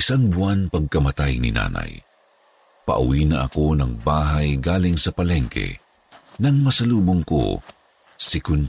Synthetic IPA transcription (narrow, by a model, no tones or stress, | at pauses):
ɪsaŋbʊanpɐɡ̚kɐmɐt̪ajnɪ̰na̰ːnɐ̰j | pɐ̰ʔʊ̰wiːnɐʔɐ̰ko̞nɐŋbaːɦajɡaːlɪŋsɐpɐlɛŋkʰɛ̰ | nɐŋmɐsɐluːboŋko̰ | sɪkʊn